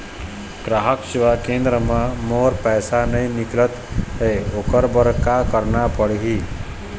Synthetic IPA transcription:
ɡ̥ɾaɦəkʃiʋakend̪ɾəmãmoːɾpɛjsanəjniklət̪ɦeokəɾbəɾkakəɾnapəɽɦi

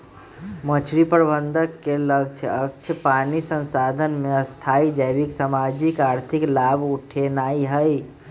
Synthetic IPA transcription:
mət͡ʃʰɾipəɾbənd̪ʱəkːeləɡ̚t͡ʃʰək̚t͡ʃʰəpanisənsad̪ʱənmeəst̪ʰaid͡ʒəjbiksamad͡ʒikaɾt̪ʰiklabuʈʰenaiɦəj

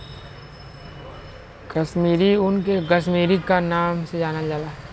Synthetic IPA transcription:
kɐʃmiːɾiʊnkekəʃ̬miːɾikanaːmsed͡ʒaːnad͡ʒaːlaːɦ

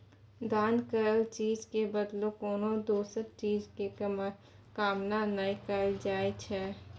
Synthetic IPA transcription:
d̪aːnkəɾəlt͡ʃiːd͡ʒkebəd̪lokoːnõd̪oːsəɾt͡ʃiːd͡ʒke | kaːmnanaikəɾd͡ʒaːet͡ʃʰɛː

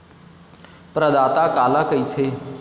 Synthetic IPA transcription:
pɾəd̪aːt̪akaːlakəit͡ʃʰe

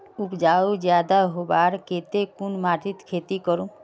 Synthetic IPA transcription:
upd͡ʒaud͡ʒjad̪aɦobaɾket̪ekunmaʈit̪kʰet̪ikɔɾũ

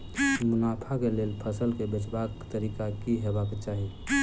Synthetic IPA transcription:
mʊnaːpʰakeleːlpʰəsəlkebɪt͡ʃbaːkt̪əɾiːkakiɦebaket͡ʃaːɦi

